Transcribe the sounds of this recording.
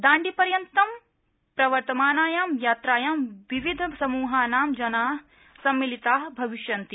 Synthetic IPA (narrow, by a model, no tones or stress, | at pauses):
d̪aːɳɖipɐɾjɐnt̪ɐm | pɾɐʋɐɾt̪ɐmaːnaːjaːmjaːt̪ɾaːjaːmʋiʋid̪ʱɐsɐmuːɦaːnaːmd͡ʒɐnaː | sɐmːilit̪aːɦbʱɐʋiʃjɐnt̪i